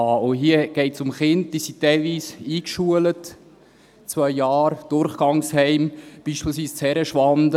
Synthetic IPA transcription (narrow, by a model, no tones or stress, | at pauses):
ɑːoɦiəɡ̥ɛɪtsʊmχɪntd̥isitɛɪlʋiːsiːkʃuələt | t͡svœɪjɑːɾd̥ʊɾχɡ̥ɑŋshɛɪmb̥iːʃpiːlsviːst͡shɛɾəʃʋɑnd